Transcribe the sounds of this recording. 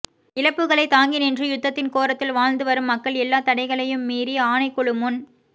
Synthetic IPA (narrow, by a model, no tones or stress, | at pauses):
ɪɻɐpːɯɣɐɭɐɪt̪aːŋɡinɛndrɯjʊt̪ːɐt̪ːɪnkoːɾɐt̪ːɪlʋaːɻnd̪ɯʋɐɾɯmːɐkːɐɭɛlːaːt̪ɐɽɐɪɣɐɭɐjɯmːiːɾiaːnɐɪkːɔɭɯmʊn